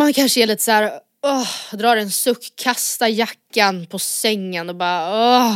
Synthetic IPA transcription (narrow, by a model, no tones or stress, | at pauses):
mankʰanʂəɛɭiːt̪ə̥sæːɾ | ɔhd̪ɾɑːɾɛnsɵkʰːast̪ajakːanpʰɔsɛŋːənɔbɑːɾaɔ